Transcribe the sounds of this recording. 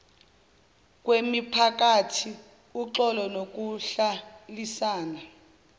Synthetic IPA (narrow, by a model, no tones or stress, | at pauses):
k̬ʼwemipʰak̬atʰi | uǁɔlɔnok̬uɬalisaːna